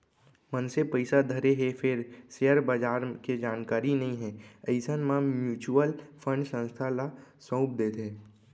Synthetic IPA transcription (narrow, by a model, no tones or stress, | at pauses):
mənsepəɪsad̪ʱəɾeɦefʰɪɾseːəɾbaːd͡ʒaːɾked͡ʒaːnkaːɾinɐɦĩɦɛ̃ːəɪsənmãmjuːt͡ʃuəlpʰə̃ɳɖsə̃nst̪ʰalasə̃ːp̚d̪eːt̪eː